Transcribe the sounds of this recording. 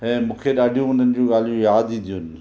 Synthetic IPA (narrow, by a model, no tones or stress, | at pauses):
ɦɛ̃ːmʊ̃ːkʰeːɗaːɖʱijõɦʊnənɪd͡ʑoːɡaːlijõjaːd̪ĩnd̪ijoːn